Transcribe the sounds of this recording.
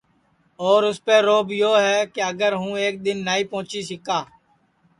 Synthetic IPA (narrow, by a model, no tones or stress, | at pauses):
ɔːɾʊspeːɾoːbjoːɦɛːkeəɡəɾɦũːeːk̚d̪ɪnːaːiːpõʊ̃ːt͡ʃiːsɪkaː